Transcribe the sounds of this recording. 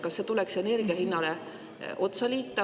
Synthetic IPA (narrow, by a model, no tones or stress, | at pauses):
kɑsːet̪ulekse̞ne̞rɡ̥iɑhinːɑle̞ | ʔo̞t̪sɑliːt̪ːˑɑ